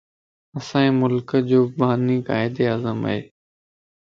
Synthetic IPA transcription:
ɐsãːĩːmʊlkəd͡ʑoːbaːnika̰ːɪd̪eazəma̰ɦḛː

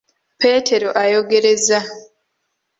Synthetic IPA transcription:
pe̞ːtʰe̞ɾo̞ʔajo̞ɡe̞ɾe̞za

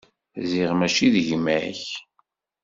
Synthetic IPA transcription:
ziʁmæʃiðʝmæç

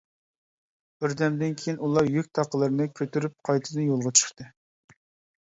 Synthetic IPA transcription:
b̥ɪɾd̪ɛmd̪ɪnkʲʰejinulˠɑjyk̚ʲt̪ʰɑqəlˠɨɾnɨkʲʰøt̪yɾyp̚qʰɑjt̪ʰɨd̪ɨnjolˠʁɑt͡ʃʰə̥χt̪ɨ

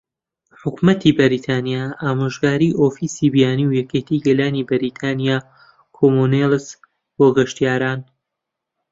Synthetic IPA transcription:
ħʊkmɐt̪ʰibɐɾit̪ʰaːnijaʔaːmaʒɡaːɾiːʔoːfiːsiːbijaːniwjɛket̪ʰiɡɐlaːnibɐɾiːt̪ʰaːnijaː | kʰomonels | boːɡɐʃt̪ijaːɾaːn

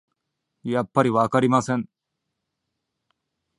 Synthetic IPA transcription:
jɐpːɐɾiʋaːkɐɾimasen

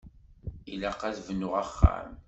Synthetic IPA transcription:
ilæqæθvənːʊʁaχːæ̰m

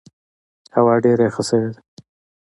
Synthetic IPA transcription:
hawɑɖeɾexəsəwed̪a

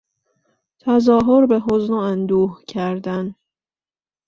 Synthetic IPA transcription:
t̪ʰæzɒːɦoɾbeɦoznoænd̪uːhcʰæɾd̪æn

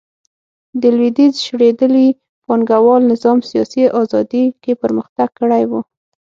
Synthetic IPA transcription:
d̪əlwid̪izʃɽed̪əli | pɑŋɡawɑlnɪzɑmsijɑsiʔɑzɑd̪ikepəɾməxt̪aɡ̚kəɽajwu

